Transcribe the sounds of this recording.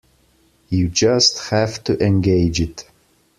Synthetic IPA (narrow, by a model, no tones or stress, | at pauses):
jɨd͡ʒʌsthæftʰɨʔɛ̃nɡeɪd͡ʒɪt